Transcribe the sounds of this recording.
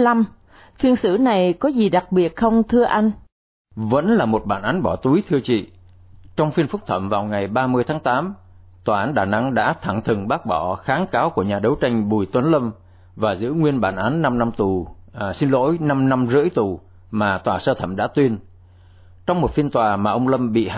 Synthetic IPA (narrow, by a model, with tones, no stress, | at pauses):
la˧m | fi˧ənsɨ̰˧˥na˨˩jkɔ˨˦zi˨˩ɗa˨˩k̚ɓi˨˩ət̚xə˧wŋ͡mt̪ʰɨ˧əʔa˧jŋ̟ | və̰˧˥nlaː˨˩mo˨˩t̚ɓa̰ː˧˩nʔaː˨˦nɓɔ˧˩t̪u˨˦jt̪ʰɨ˧ət͡ɕḭ˧˨ | t͡ɕɔ˧wŋ͡mfi˧ənfʊ˦˥k͡p̚t̪ʰə̰˧˩˨mvaː˨˩wŋa˨˩jɓaː˧mɨ˧əjt̪ʰaː˨˦ŋt̪aː˨˦m | t̪waː˨˩ʔaː˨˦nɗaː˨˩na̰˧˥ŋɗa̰ː˧˥t̪ʰa˧˩ŋt̪ʰɨ˨˩ŋɓaː˦˥k̚ɓɔ˧˩xaː˨˦nkaː˨˦wku˧˩əɲaː˨˩ɗə˨˦wt͡ɕa˧jŋ̟ɓu˨˩jt̪wə˨˦nlə˧m | vaː˨˩zɨ̰˧˥ŋwi˧ənɓaː˧˩nʔaː˨˦nːa˧mna˧mt̪u˨˩si˧nlo̰˧˥jna˧mna˧mzɨ̰˧˥jt̪u˨˩ | maː˨˩t̪waː˨˩səː˧t̪ʰə˧˩mɗa̰ː˧˥t̪wi˧ən | t͡ɕɔ˧wŋ͡mmo˨˩t̚fi˧ənt̪waː˨˩maː˨˩ʔə˧wŋ͡mlə˧mɓḭ˧˨h